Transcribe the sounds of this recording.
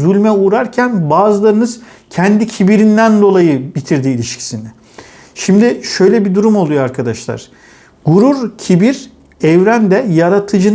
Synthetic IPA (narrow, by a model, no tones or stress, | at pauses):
zylʲmɛuːɾaɾcʰænbaːzɯlˠaɾɯnɯz̥ | cʰɛnd̪icʰibiɾind̪ænd̪o̞lˠajɯbit̪ʰiɾd̪iːlʲiʃcʰi̥sinɪ | ʃimd̪iʃøjlʲɛbid̪uɾumo̞lˠujoaɾkʰad̪aʃlˠa̰ɾ̥ | ɡ̥uɾuɾcʰibiɾ | ɛvɾænd̪ɛjaɾat̪ʰɯd͡ʒɯn